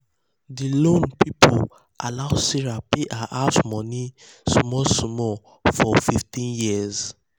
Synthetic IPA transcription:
dilõnpipʰo | ʔa̰laʊsiɹapeʔaʔasmɔ̃ni | sɔmɔsɔmɔ | fɔfiftĩnjiz

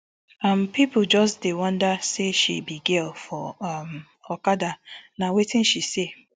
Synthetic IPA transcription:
ampipʊl̩d͡ʒɔsdewɔ̃ndaseʃibiɡelfɔam | ɔkadanawetɪ̃nʃise

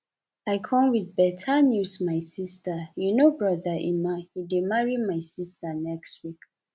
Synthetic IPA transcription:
aɪkʰɔ̃mwidbɛtʰanjusmaɪsistajunobɹɔðaʔḭmahidemaɹimajsistənɛkstwik

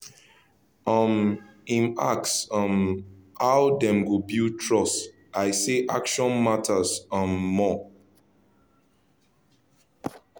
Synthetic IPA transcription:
ʌm | ĩna̰ksʌmawdɛ̃mɡobiltʰɹɔs | aɪseʔakʃɔ̃nmatʰasãmːɔ

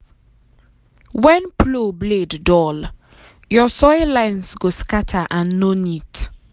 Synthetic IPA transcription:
wɛ̃npʰlobleddɔl | jɔsɔɪlãɪnsɡoskatʰaʔãnːonit

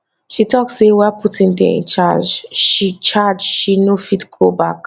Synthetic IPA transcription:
ʃitʰɔksːewɛaputĩŋdɛ̰̃ḭ̃nt͡ʃad͡ʒʃit͡ʃad͡ʒʃinofitɡ̥obak

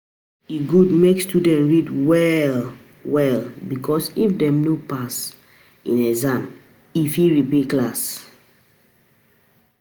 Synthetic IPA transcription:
iɡudmekstudɛ̃ntɹidwɛl | wɛlbikʰɔsifdɛ̃mnopas | ḭ̃nɛzãm | ifiɹipeklas

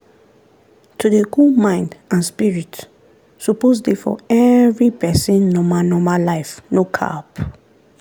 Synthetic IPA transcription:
tʰudeɡumãɪ̃ndãnspiɹit | supozdefɔ̰ɛvɹipɛsĩnːɔmanɔmalaɪfnokʰa̰p

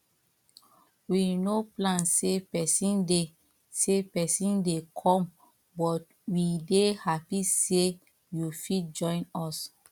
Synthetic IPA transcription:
winoplãnsepɛsĩnde | sepɛsĩndekʰɔ̃m | bɔt̚ | widehapise | jufitd͡ʒɔ̃ɪ̃nɔs

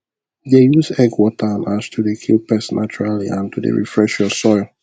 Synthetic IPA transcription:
ðejuzɛɡwɔtʰənastʰudekʰilˠpɛsnʔa̰t͡ʃuɹaliʔãntʰudḛɹḭfɹɛʃjɔsɔɪlˠ

